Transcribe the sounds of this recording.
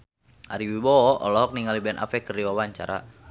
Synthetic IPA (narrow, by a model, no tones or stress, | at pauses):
ʔaɾiwibɔʔɔ̰lɔɦɔk̚niŋalibɛnʔa̰fɛkəriwawaɲt͡ʃa̰ɾa